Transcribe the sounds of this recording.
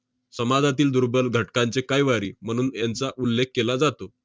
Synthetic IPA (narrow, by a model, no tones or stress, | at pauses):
səmad͡zat̪iːld̪uɾbəlɡʱəʈkant͡sekajʋaɾḭːm̤əɽ̃uːnjant͡saʔulːek̚ʰːelad͡zat̪o